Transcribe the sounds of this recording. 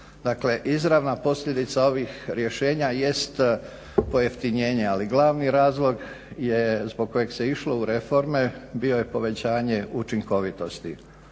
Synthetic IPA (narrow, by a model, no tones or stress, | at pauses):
d̪akle̞ʔizɾaʋnapo̞sʎʲe̞d̪it̪sao̞ʋixɾje̞ʃe̞ːɲaje̞st̪ | po̞jeft̪iɲe̞ːɲe̞aliɡlˠaːʋniɾaːzlˠo̞ɡ | jezbo̞ɡ̚ko̞jeɡse̞iʃlo̞uɾe̞fo̞ɾmebio̞jepo̞ʋe̞t͡ɕaːɲe̞ut͡ʃiŋko̞ʋit̪o̞st̪i